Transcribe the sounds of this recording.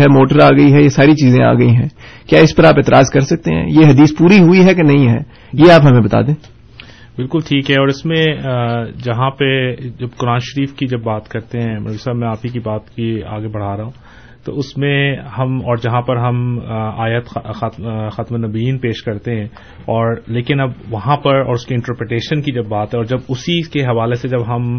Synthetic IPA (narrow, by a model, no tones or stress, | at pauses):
ɦɛmoːʈəɾaːɡɐiɦɛjesaːɾit͡ʃiːzẽa̰ːɡɐiɦɛ̃ːkjaːɪspɐɾaːpɪːt̪ɪɾʔaːzkɐɾsɐk̚t̪ḛɦɛ̰̃jeɦɐd̪iːspuːɾiɦʊiɦɛkenɐɦĩɦɛ̰ː | jeaːpɦɐmẽbɐt̪a̰ːd̪ẽː | bɪlkʊlʈʰiːkɦɛɔːɾɪsmẽ | d͡ʒɐɦãped͡ʒɐbkʊɾaːnʃɐɾiːfkid͡ʒɐbːaːt̪kɐɾt̪eɦɛ̃mɐ̰saːbmɛ̃aːpikibaːt̪kia̰ːɡebɐɽ̤aːɾɐɦũ | t̪o̰ʊsmẽhɐmɔːɾd͡ʒɐɦãpɐɾɦɐmaːjət̪xat̪xaːt̪menɐbiːnpeːʃkɐɾt̪eɦɛ̃ː | ɔːɾleːkɪnɐbʋɐɦãpɐɾɔːɾʊskiɪ̃ɳʈəɾpɾeʈeːʃənkid͡ʒɐbːaːt̪ɦɛɔːɾd͡ʒɐbʊsikeɦɐʋaːlesed͡ʒɐbɦɐm